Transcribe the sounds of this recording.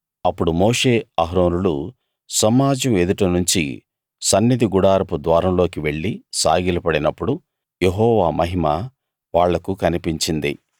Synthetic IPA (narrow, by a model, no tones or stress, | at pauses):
ɐpːuɽumɔːʂe̞ːɐɦɾo̞ːnulu | sɐmaːd͡ʒɐme̞d̪uʈɐnuɲt͡ʃḭ | sɐnːid̪iɡuɽaːɾɐpud̪ʋaːɾɐmlo̞ːkiʋe̞ɭːisaːɡilɐpɐɽinɐpːuɽu | jeɦɔːʋaːmɐɦima | ʋaːɭːɐkukɐnipiɲt͡ʃind̪ḭ